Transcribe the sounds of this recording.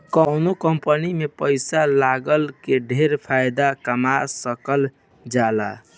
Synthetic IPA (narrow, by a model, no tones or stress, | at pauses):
kəwnokəmpənimepəɪsalaɡəlkeɖʱeɾpʰajd̪akəmasəkəl | d͡ʒala̰